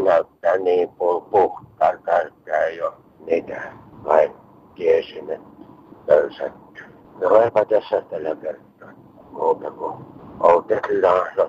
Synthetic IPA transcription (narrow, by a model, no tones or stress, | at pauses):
næˑyt̪ːæːniːmpulpuht̪ːˑɑːkæˑykːæjo | niːt̪ækɑˑi | kiesinepøˑysæt̪ːæ̥ | neoˑepɑt̪æsːæt̪ælækert̪ːˑɑː | muːt̪ɑkuʔoˑut̪elːɑːso